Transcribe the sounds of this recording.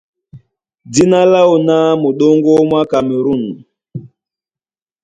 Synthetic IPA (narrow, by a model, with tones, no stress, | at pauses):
di˦na˦la˦wu˨na˦mo˨ɗo˦ŋɡo˦mwa˦ka˨me˨ɾu˦˨n